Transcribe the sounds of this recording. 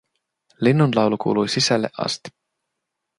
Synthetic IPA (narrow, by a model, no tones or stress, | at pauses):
linːunlɑwlukʰṵːlujsisælḛʔɑ̰st̪